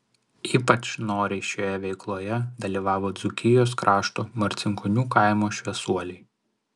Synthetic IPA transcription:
iːpɐt͡ʃnoːɾʲɛɪʃʲoːjɛʋʲɛɪklˠoːjɛd̪ɐlʲiːʋɑːʋoːd̪zʊkʲɪjoːs̬kɾʔɑːʃt̪oːmɐɾʲt̪sʲɪŋkɔnʲuːkɑˑɪmoːʃʲʋʲɛsuɔlʲɛɪ

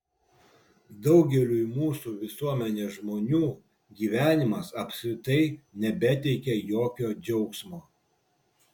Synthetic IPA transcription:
d̪ɐʊɡʲɛlʲuːɪmuːsuːʋʲɪsuɔmʲɛnʲeːsʒmoːnʲuː | ɡʲiːʋʲæːnʲɪmɐsɐpʲsʲkɾʲɪt̪ɐɪnʲɛbʲɛt̪ʲɛɪkʲɛjoːkʲoːd͡ʒʲɛʊksmoː

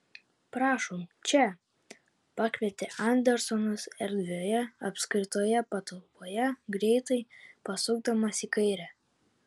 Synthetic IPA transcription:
pɾɑːʃoːmt͡ʃʲɛ | pɑːkʋʲiɛt̪ʲɪʔɐnʲd̪ʲɛɾsɔnʊsɛɾʲd̪ʲʋʲoːjɛɐpʲsʲkɾʲɪt̪oːjɛpɐt̪ɔlˠpoːjɛɡɾʲɛɪt̪ɐɪpɐsʊɡ̚d̪ɐmɐsikɐɪɾʲæ

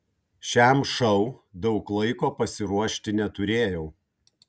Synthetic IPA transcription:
ʃʲæmʃɐʊd̪ɒʊklˠɐɪkoːpɐsʲɪɾuɔʃʲt̪ʲɪnʲɛt̪ʊɾʲeːjɛʊ

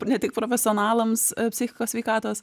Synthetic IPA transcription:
pnʲɛt̪ʲɪk̚pɾofʲɛsʲɪɔnɑːlˠɐmspʲsʲɪxʲɪkoːsʲʋʲɛɪkɑːt̪oːs

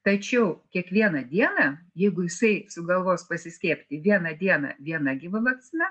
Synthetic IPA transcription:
t̪ɐt͡ʃʲɛʊkʲiɛkʋʲiɛnɐd̪ʲiɛnɐjɛɪɡʊjɪsɐɪsʊɡɐlˠʋoːspɐsʲɪsʲkʲeːpʲt̪ʲɪʋʲiɛnɐd̪ʲiɛnɐ̰ʋʲiɛnɐɡʲɪʋɐʋɐkt͡sʲɪnɐ

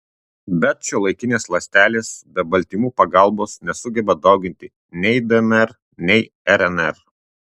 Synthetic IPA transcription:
bʲɛt̪̚t͡ʃʲolˠɐɪkʲɪnʲeːslˠɐsʲt̪ʲæːlʲeːsbʲɛbɐlʲˑt̪ʲiːmuːpɐɡɑˑlˠboːsnʲɛsʊɡʲɛbɐd̪ɒʊɡʲɪnʲt̪ʲɪ | nʲɛɪd̪ɨɛnɛɾ | nʲɛɪ | ɛɾɛnɛɾ

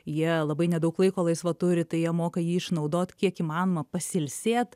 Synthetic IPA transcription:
jiɛlˠɐbɐɪnʲɛd̪ɐʊklˠɐɪkoːlˠɐɪsʋɐt̪ʊɾʲɪt̪ɐɪjiɛmoːkɐjiːɪʃnɐʊd̪oːt̪kʲiɛkiːmɑːnoːmɐpɐsʲɪlʲsʲeːt̪

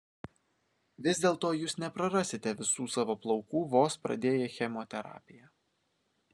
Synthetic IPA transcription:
ʋʲɪzʲd̪ʲeːlˠt̪oːjuːsnʲɛpɾɐɾɑːsʲɪt̪ʲɛʋʲɪsuːsɑːʋoːplˠɒʊkuːʋoːspɾɐ̰d̪ʲeːjɛxʲɛmoːt̪ʲɛɾɑ̰ːpʲɪjɛ

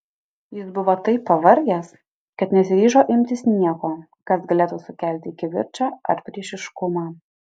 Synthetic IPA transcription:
jɪsbʊʋoːt̪ɐɪpːɐʋɐɾʲɡʲɛs | kɐt̪nʲɛsʲɪɾʲiːʒoːʔɪmʲt̪ʲɪsnʲiɛkoː | kɐsɡɐlʲeːt̪uːsʊkʲæˑlʲt̪ʲɪɪkʲɪʋʲɪ̰ɾʲt͡ʃʲɑːɐ̰ɾpʲɾʲiɛʃʲɪʃkʊmɑː

